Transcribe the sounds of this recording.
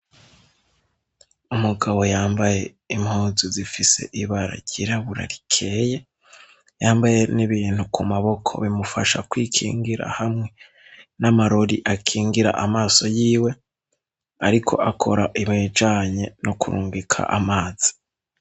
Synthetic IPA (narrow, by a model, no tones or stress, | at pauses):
umuɡaβo̞jaːmbaje̞ | imhuːzuzifise̞̰ʔiβaɾa̰ɟiɾaβuɾa̰ɾikʰe̞ːje̞ | jaːmbaje̞niβiːn̥hukʰumaβo̞kʰo̞̰βimufaʃakwiːkʰḭːŋɡiɾa̰hamŋe̞ | namaɾoɾiʔakʰiːŋɡiɾa̰ʔamaːso̞jiːwe̞ | aɾikʰo̞̰ʔakʰoɾaʔimed͡ʒaːɲe̞nokuɾuːŋɡikʰa̰ʔamaːz̥i̥